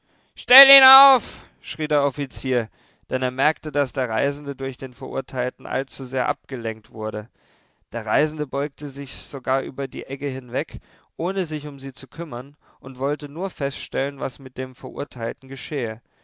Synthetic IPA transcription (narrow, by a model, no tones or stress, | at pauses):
ʃtɛliːnaʊf | ʃʁ̥iːdeːɐʔɔfit͡siːɐ | d̥ɛneːɐmɛɐktədasd̥eːɐʁ̞aɪzn̩dədʊɐçd̥eːnfɛɐʔʊ̰ɐtʰaɪltn̩ʔa̰lt͡suzeːɐʔa̰p̚ɡ̥əlɛŋk̚tv̥ʊɐɾə | d̥eːɐʁ̞aɪzn̩dəbɔʏk̚təzɪçz̥oɡaːɐʔy̰ːbɐdḭːʔɛkəɦɪnvɛk | ʔoːnəzɪçʊmziːt͡sukʰʏmɐn | ʔʊntv̥ɔltənuːɐfɛstʃtɛlənvasmɪt̚d̥eːmfɛɐʔʊ̰ɐtʰaɪltn̩ɡəʃɛːə